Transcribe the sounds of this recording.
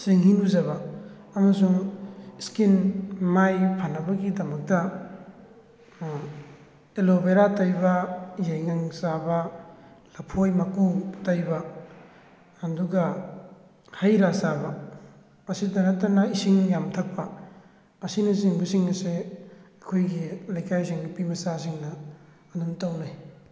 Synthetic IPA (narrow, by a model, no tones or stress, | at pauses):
siŋhinuzaβa | ɐmɐsuŋiskinmajpʰanabaɡidɐmɐk̚da | elobeɾatajbajajŋaŋsabalapʰojmakutajba | duɡɐ | hajɾasabɐ | ɐsidɐnatɐnɐisiŋjamtʰɐk̚pɐː | sinasiŋbusiŋɐseɐkʰojɡilajkʰajsiŋnupimɐsas̬iŋnɐː | numtawnaj